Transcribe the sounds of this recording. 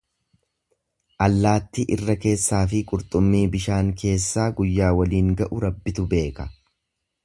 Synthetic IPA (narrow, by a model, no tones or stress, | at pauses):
ʔɐlːaːt̪ːɪʔɪrːɐke̞ːsːaːfɪkʼʊɾt̪ʼʊmːiːbɪʃaːŋkʰe̞ːsːaːɡʊjːaːwɐliːŋɡɐʔʊɾɐbːɪt̪ʊbe̞ːkɐ̥